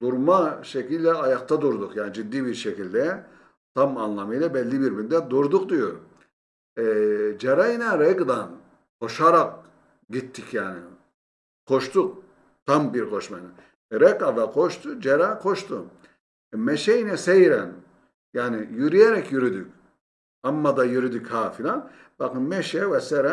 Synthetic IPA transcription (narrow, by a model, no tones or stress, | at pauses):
d̪uɾmaʃecilʲd̪ɛajak̚t̪ʰad̪uɾd̪ukjaːnɪd͡ʒid̪ːiːbiɾʃecilʲd̪ɛ | t̪ʰamanlˠamɯjlʲˠabɛlʲːibiɾbind̪ɛd̪uɾd̪uq̚d̪ijoɾ | ɛd͡ʒeɾajinɛɾɛɡd̪an | ho̞ʃaɾak̚ | ɟit̪ʰːicjaːnɪ | kʰoʃt̪uk̚ | t̪ʰambiɾkʰo̞ʃmajna | ɾɛkad̪aqʰo̞ʃt̪ʰud͡ʒeɾakʰoʃt̪ʰu | mɛʃɛjinɛsejɾɛn | jaːnijyɾyjeɾɛcjyɾyd̪ycʲ | amːad̪ajyɾyd̪ychaːfilʲan | bakɯnmɛʃɛvɛsɛɾɛ